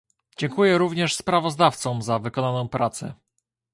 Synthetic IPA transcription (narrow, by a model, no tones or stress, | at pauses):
d͡ʑɛŋkujɛɾuvɲɛʂspɾavɔzd̪aft̪sɔ̃m̃zavɘkɔnanɔ̃w̃pɾat̪sɛ̰